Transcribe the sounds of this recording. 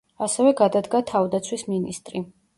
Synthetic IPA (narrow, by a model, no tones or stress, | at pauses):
asɛvɛɡad̪ad̪ɡat̪ʰavd̪at̪sʰwisminist̪ʼɾi